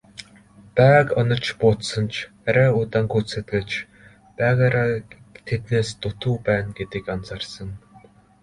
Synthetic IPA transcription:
pæːkɔnɞ̆t͡ɕʰpʊːt̪sə̆nt͡ɕʰ | æɾæːʊt̪aːŋɡut͡sɘ̆t̪ɡĕt͡ɕ | pæːɣaɾat̪ʰet̪neːst̪ʊt̪uːpæːnɡet̪ĭkant͡sarsə̆ŋ

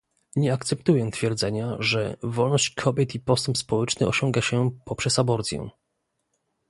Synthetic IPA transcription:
ɲɛakt̪sɛpt̪ujɛt̪fʲjɛɾd̪zɛɲaʐɛ̰vɔlnɔɕt͡ɕkʰɔbʲjɛt̪ipɔst̪ɛmpspɔwɛt͡ʂnɘʔɔ̰ɕɔŋɡaɕɛpɔpʂɛsabɔɾt̪sʲjɛ̰̃

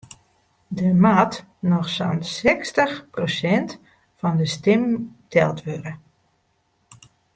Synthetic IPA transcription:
dəmaːt | nɔxsansɛkstəxprosɛnt | fɔndəstɪmtʰɛlˠtʋøɾə

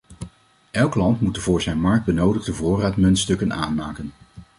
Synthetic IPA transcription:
ʔɛlˠklɑntmutəvʊːɹzɛjnmɑɹk̚d̚bənowdəχdəvʊːraːtmɵntstɵkənaːnmaːkən

